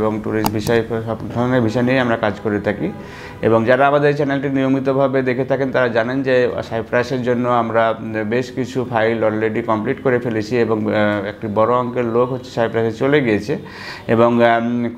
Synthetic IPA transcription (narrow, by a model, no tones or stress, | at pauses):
boŋʈuɾisʈbʱiʃɔeɔbd̪ʱɔneɾbʱiʃɔjnijamɾakad͡ʑkoɾet̪ʰaki | ḛboŋd͡ʑaɾaamad̪eɾt͡ɕɛnelʈiniomit̪obʱabed̪ekʰet̪ʰakent̪aɾad͡ʑanend͡ʑesajpɾaseɾd͡ʑonːoamɾabeʃkit͡ɕʰupʰajlɔlɾeɖikɔmpliʈkoɾefelet͡ɕʰieboŋekʈibɔɾoɔŋkeɾlokɦotːɕʰe̥sajpɾaseɾt͡ɕoleɡijet͡ɕʰe | eboŋ